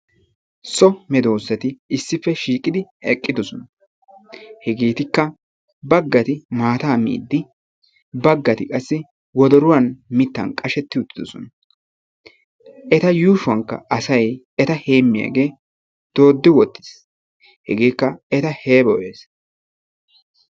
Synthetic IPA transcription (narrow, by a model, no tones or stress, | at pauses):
sʼɔmɛd̪oːsːɐt̪ɪɪsːɪfːɛʃiːkʼɪd̪ɪɛkʼːɪd̪ɔsɔnɐ | hɛɡeːt̪ɪkːɐ | bɐɡːɐt̪ɪmaːt̪aːmḭːd̪ːɪ | bɐɡːɐt̪ɪkʼɐsːɪ | wɔd̪ɔɾʊwɐnmɪt̪ːɐ̰nkʼɐʃɛt̪ːɪʊt̪ːɪd̪ɔsɔ̰nɐ | ʔɛt̪ɐjuːʃʊɐŋkːɐ̰ʔɐsɐj | ɛt̪ɐhe̞ːmːɪja̰ːɡe̞ː | d̪̥o̞ːd̪ːɪwɔt̪ːɪ̥s | hɛ̰ɡeːkːɐɛt̪ɐhe̞ːbɔweːs